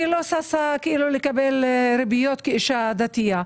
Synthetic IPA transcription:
ilosasakeʔilulekabelɾebijot̪keiʃad̪at̪ija

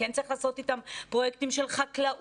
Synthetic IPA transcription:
entt͡sɐʁiχlaːso̞t̪it̪ampʁo̞jeɛk̚timʃe̞lχaklaʔ

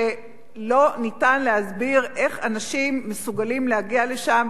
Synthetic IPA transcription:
e | lo̞nitanlehazbiʁʔe̞χanaʃimːesuɡalimleaɡiale̞ʃam

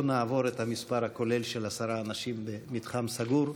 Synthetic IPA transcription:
naːvo̞ɾet̪hamispaɾhako̞le̞lʃelasaɾaːnaʃimbemitχamsaɡuɾ

